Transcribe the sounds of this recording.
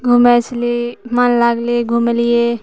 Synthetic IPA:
ɡʱumet͡ʃlimanlaɡlieɡʱumelije

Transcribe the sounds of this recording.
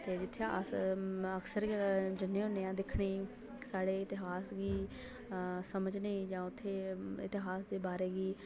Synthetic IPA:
t̪eːd͡ʒɪt̪ʰːeːʔə | əksəɾd͡ʒɪnːẽːɦʊnẽːãːd̪ɪkʰɽ̃iː | saːɽeːɪt̪ɪɦaːsɡiː | səməd͡ʒnẽːd͡ʒãːʊt̪ʰːeːɪt̪ɪɦaːsd̪eːbaːɾeːɡiː

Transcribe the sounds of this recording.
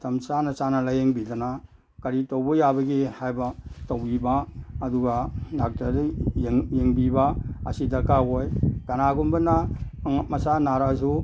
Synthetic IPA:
tamt͡ʃanat͡ʃanalajeŋbidana | kaɾitowbɔjabɐɡihajbatowibaːduɡanak̚tad | jeŋbibaɐ̰sidakawojɡanaɡunbɐna | masanaɾas̬u

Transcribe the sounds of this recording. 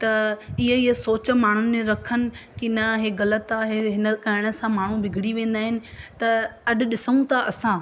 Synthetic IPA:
t̪ɐɪɦəɦəsoːt͡ɕə̆maːɳ̤ʊnɪ̆ẽɾɐkʰənɪ̆kɪnɐɦeːɣɐlət̪aːɦeɦɪnəkɐɪɽ̃ə̆sãmaːɳ̤ũbʱɪɡʱɪɽiʋẽːn̆d̪aːɦɪnɪ̆t̪ɐɐɗʊ̆ɗɪsəũt̪ʰaʔɐsã

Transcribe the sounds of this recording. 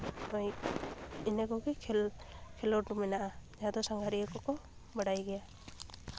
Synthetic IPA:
ɔj | ɛnɛkɔɡɛ | kʰɛlɔʈɾumɛnaʔad͡ʒaad̪ɔsaŋɡʱaɾikɔkɔ | baɽajɡɛja

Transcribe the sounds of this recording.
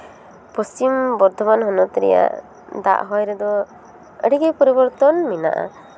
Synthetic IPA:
pɔst͡ʃimbɔɾd̪ʱɔbanɦɔnɔt̪ɾɛ̰ja̰ʔ | d̪a̰ʔɦɔjɾɛd̪ɔ | ə̰ɽiɡɛpɔɾibɔɾt̪ɔnmina̰ʔa̰

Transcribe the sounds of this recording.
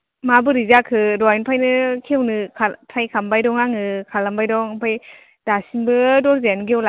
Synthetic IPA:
mabɯɾizakʰɯɾɔjnpʰajnɯkʰewnɯkʰatʰajkʰambajdɔŋaŋɯkʰalambajdɔŋpʰaj | d̥asinbɯdɔɾzenɡewla

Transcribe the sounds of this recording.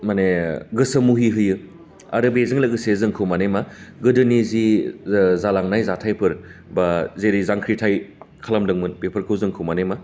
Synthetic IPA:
maneɡɯsɐmuɦiɦɯjɯ | a̰ɾɯbezɯŋlɐɡɯsezɯŋkʰɯwmanemaɡɯdɯnizi | zalaŋnajzatʰajpʰɯɾbazeɾizaŋkʰɾitʰajkʰalamdɯŋmɯnbepʰɯɾkʰɯwzɯŋkʰɯwmanema

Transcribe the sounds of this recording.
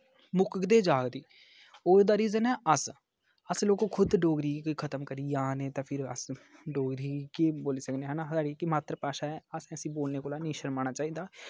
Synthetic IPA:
mʊkkd̪eːd͡ʒaːɡd̪iː | oːd̪aːɾiːzənɛːəs | əsloːkoːkʰʊd̪ɖoːɡɾiːkːkʰət̪əmkəɾiːjãːneːt̪ãːpʰɪɾə̰sɖoːɡɾiːkeːboːliːsəkneːɦə̃ːnaːaːɽiːkɪmaːt̪ɾəpaːʃaːɛːəsɛ̃əsĩːboːlneːkoːlaːnĩːʃəɾmaːñaːt͡ʃaːiːd̪aː

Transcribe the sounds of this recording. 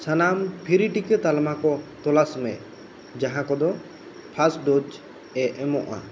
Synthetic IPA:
sanampʰiɾiʈikɛt̪almakɔt̪ɔlasmɛ | d͡ʒaɦãkɔd̪ɔ | pʰasɖod͡ʒ | ɛʔɛmɔʔa̰

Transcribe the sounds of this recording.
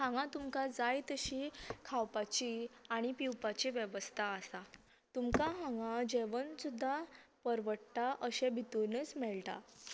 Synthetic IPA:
hãŋɡãt̪umkad͡zajt̪əɕiːkʰawpat͡ɕiaɽ̃ipiwpat͡ɕiʋjəʋəst̪ʰaəsa | t̪umkaɦãŋɡad͡ʑeʋənsud̪ʱːapəɾʋəɽʈ̪aʔəɕebʱit̪unet͡smɛɭʈ̪a̰

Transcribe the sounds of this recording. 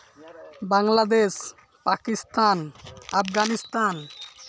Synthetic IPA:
baŋlad̪eʃ | pakist̪anafɡanist̪an

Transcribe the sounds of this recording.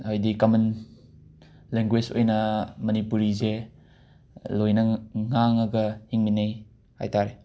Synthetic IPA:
ajdikɔmɐn | leŋɡwed͡ʒo̰jnɐmɐnipuɾize | lojnɐŋaŋaɡɐhiŋminaj | ha̰jtaɾe

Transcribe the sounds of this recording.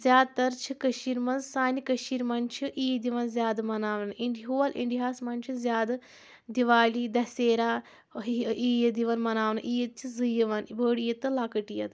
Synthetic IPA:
zʲjaːd̪̚t̪ɐɾt͡ʃʰɨkɐʃiːɾmɐnzsaːnikɐʃiːɾmɐnt͡ʃʰɨʔiːjd̪iʋɐnzʲjaːd̪ɨmɐnaːʋɐnʔiɳɖiɦuʋɐlʔḭɳɖiɦaːsmɐnt͡ʃʰɨzʲjaːd̪ɨ | d̪iʋaːlid̪ɐseːɾaː | iːjɐd̪iʋɐnmɐnaːʋɐnɨʔiːjɐt̪̚t͡ʃʰizɨjɐʋɐnbəːɽijɐt̪ːɨlaːkɐʈijɐt̪

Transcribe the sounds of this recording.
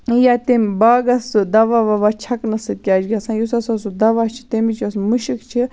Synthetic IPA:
jaːt̪embaːɡɐsɨd̪ɐʋaʋaʋat͡ʃʰɐknɐsɨkʲaːd͡ʒɡʲasãːjusɐsɐsud̪ɐʋaːt͡ʃʰi̥t̪emit͡ʃʰɐsmɨʃikt͡ʃʰi

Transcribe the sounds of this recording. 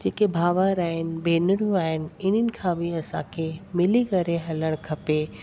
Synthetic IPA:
d͡ʑeːkebʱaːʋaɾaːɦɪnɪ̆bʱeːnɪɾjũaːɦɪnɪ̆ɪn̤ənɪ̆kʰãːbɪɐsã̰kʰemɪlikɐɾeɦɐləɽ̃kʰɐpeː

